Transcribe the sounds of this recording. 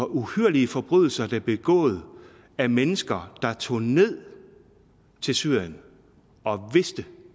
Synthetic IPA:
ɒ̽ʔuhyɐliəfɒ̽b̥ʁyð̞ˠl̩sɐd̥æb̥e̝ɡ̥ɔ̰̽ːð̞̩ˠ | æmenəsɡ̥ɐd̥ɑ̈t͡sʰo̝̰ːne̝ð̞̰ˠ | t͡sʰe̝lsyɐ̰jən | ɒ̽ʋe̝sd̥ə

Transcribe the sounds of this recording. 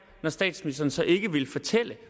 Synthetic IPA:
nɒsd̥ɛ̰ːd̥smnisd̥ɐːn̩sɒ̽ʔe̝ɡ̥əʋe̝lfɒt͡sʰel̰ə

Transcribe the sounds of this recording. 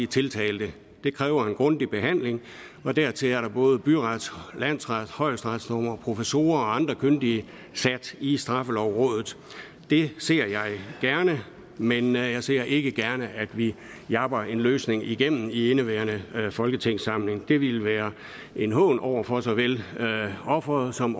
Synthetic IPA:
it͡sʰe̝lt͡sʰɛ̰ːld̥ə | d̥e̝kʰʁɛːʊɐe̝nɡ̥ʁɔ̽nd̥ib̥e̝ɦæn̰le̝ŋ | ɒ̽d̥æɐ̰t͡sʰe̝læɐɾɑ̈b̥ɔ̽ːð̞ˠəb̥yʁɑd̥slæn̰sʁɑd̥hɒ̽ɪ̰sd̥ʁɑ̈d̥snɒːmɐpʰo̝fəso̝̰ːɐɒ̽ɑ̈nd̥ʁɐkʰønd̥iə | sæd̥isd̥ʁɑ̈fəlɒʊ̰ʁɔ̰̽ːð̞ˠð̩ˠ | d̥e̝se̝ɐ̰jɑ̈ɪɡ̥æɐnə | menjɑ̈ɪse̝̰ɐ̰ʔe̝ɡ̥əɡ̥æɐnəʔæd̥ʋi | jɑ̈b̥ɐe̝nløːsne̝ŋiɡ̥em̰n̩ienəʋæːɐnəfɒ̽lɡ̥ət͡sʰeŋ̰sɑ̈m̰le̝ŋd̥e̝ʋilʋæːɐ | ʔe̝nɦɔ̰̽ːnʔɒʊ̰ɐfɒ̽sɒ̽ʋel | ɒ̽fʁɐð̩ˠsɒ̽m

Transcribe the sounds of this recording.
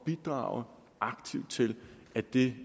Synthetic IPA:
b̥id̥ʁɑ̰̈ʊə | ʔɑ̈ɡ̥t͡sʰiʊ̰d̥̚t͡sʰe̝l | æd̥e̝

